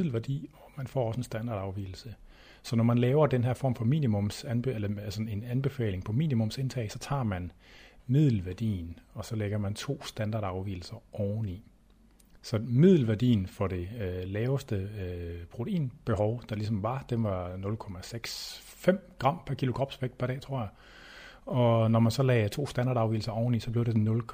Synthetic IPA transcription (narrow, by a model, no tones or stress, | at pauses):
l̩ʋæɐd̥ḭːɒ̽mænfɒ̰ːɒ̽səensd̥ænd̥ɑ̰̈ːd̥ɑ̈ʊʋḭːl̩sə | sɒ̽nɒmænlɛːʊɐd̥enɦæɐ̰fɒ̰mfɒ̽mḭːnimɔ̽msænelɐælsɒe̝nænb̥e̝fɛ̰ːle̝ŋpʰɒ̽mḭːnimɔ̽mse̝nt͡sʰɛ̰ɪsɒ̽t͡sʰɑ̰̈ːmænmið̰ˠl̩ʋæɐd̥ḭːn̩ɒ̽sɒ̽leɡ̥ɐmænt͡sʰo̝̰ːsd̥ænd̥ɑ̈ːdɑ̈ʊʋḭːl̩sɐʔɒʊni | sɒ̽mið̰ˠl̩ʋæɐd̥ḭːn̩fɒ̽ɾ̥e̝lɛːʊsd̥əpʰʁo̝t͡sʰeḭːnb̥e̝ɦɒʊd̥ɑ̈lisɒ̽mʋɑ̈d̥enʋɑ̈nɔ̽lkʰɒ̽mæseɡ̥s | fem̰ɡ̥ʁɑ̈m̰pʰæɐkʰilo̝kʰʁɒːb̥sʋeɡ̥̚pʰæɐɾ̥ɛ̰ːt͡sʰʁo̝ɐ̰ja | ɒ̽nɒmænsɒ̽lɛːt͡sʰo̝̰ːsd̥ænd̥ɑ̈ːdˠɑʊʋḭːl̩sɐɒʊn̩isɒ̽b̥le̝ʊɾ̥enɔ̽lkʰ